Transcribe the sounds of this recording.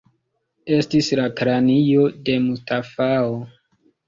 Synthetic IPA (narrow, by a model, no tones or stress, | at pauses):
e̞stislakɾanijode̞mustafao